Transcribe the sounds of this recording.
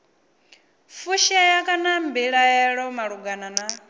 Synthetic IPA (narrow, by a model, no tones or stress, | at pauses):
fuʃajakʼanambiɺaɛɺɔmaɺuɡanana